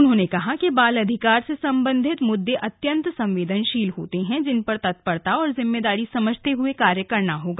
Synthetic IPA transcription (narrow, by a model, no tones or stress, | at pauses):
ʊnɦõːnekɐɦakibaːlɐd̪ʱɪkaːɾsesɐ̃mbə̃nd̪ʱɪt̪mʊd̪ːeʔɐt̪jə̃nt̪sɐ̃mʋeːd̪ʱənʃiːlɦoːt̪eɦɛ̃d͡ʒɪnpɐɾt̪ɐt̪̚pəɽt̪aɔːɾzɪmːeːd̪aːɾisɐməd͡ʒʱt̪eɦʊekaːɾjəkɐɾnaɦoːɡaː